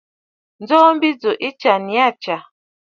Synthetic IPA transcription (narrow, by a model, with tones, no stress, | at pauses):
n̩˦d͡zɔː˦m̩˦bi˦d͡zo˨ʔi˦t͡ʃa˨ni˨˦a˦˨t͡ʃa˨